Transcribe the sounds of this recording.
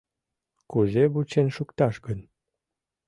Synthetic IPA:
kuzeβut͡ɕenʃukt̪ɑʃɡən

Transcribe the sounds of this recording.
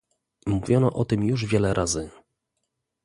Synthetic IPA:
muvʲjɔnɔʔɔt̪ɘmjuʐvʲjɛlɛɾʔazɘ

